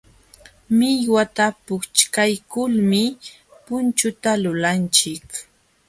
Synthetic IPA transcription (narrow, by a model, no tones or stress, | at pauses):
mɪjwat̪apʊkt͡ʃkajkʊlmɪ | pʊnt͡ʃʊt̪alʊlant͡ʃɪk